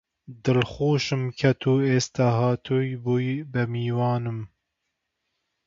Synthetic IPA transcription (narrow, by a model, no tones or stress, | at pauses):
d̪ɨlxuːʃɨmkʰɛt̪ʰuːeːst̪aɦɑːt̪ʰujbujbɨmiːwɑːnɨm